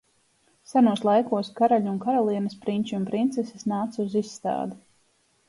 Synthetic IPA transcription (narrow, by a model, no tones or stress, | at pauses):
sanuɔslˠajkuɔskaɾaʎunkaɾɔlˠiɛnɐspɾiɲʲt͡ʃiumpɾint̪sɛsesnaːt̪suzisːt̪a̰ːd̪u